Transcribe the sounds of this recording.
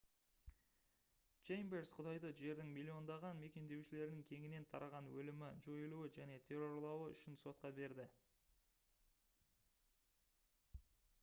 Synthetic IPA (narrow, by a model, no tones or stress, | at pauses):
ʒ̥ejmbeɾsqʰʊd̪ɑjd̪əʒe̞ɾd̪ɪŋmilʲːio̞nd̪ɑʁɑnme̞kʲe̞nd̪e̞wʃɪle̞ɾɪnɪŋkʲʰe̞ŋɪne̞nt̪ʰɑ̰ɾɑʁɑnwɵlɪmɪʒo̞jəlˠuwɪʒæne̞t̪ʲʰe̞ro̞ɾlˠɑwəʏ̰ʃɪnso̞t̪̚qɑbe̞ɾd̪ɪ